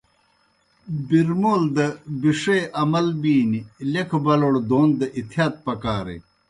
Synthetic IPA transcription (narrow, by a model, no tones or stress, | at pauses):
biɾmoːld̪ɐbiʂeʔɐmɐlbiːnilekʰbɐloɽd̪oːnd̪ɐʔit̪ʰijaːt̪̚pɐkaːɾḛ